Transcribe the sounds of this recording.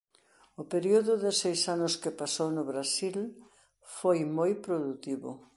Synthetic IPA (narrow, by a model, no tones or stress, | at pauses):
ʊpeɾioðʊðɪsejsanʊskɪpasownʊβɾasil | fojmojpɾoðut̪iβʊ̰